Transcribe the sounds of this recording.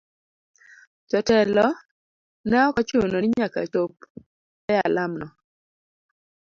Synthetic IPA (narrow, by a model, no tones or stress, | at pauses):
t͡ʃɔtɛlɔ | nɛɔkɔt͡ʃunonɪɲaka̰t͡ʃop̚ | ɛjalamnɔ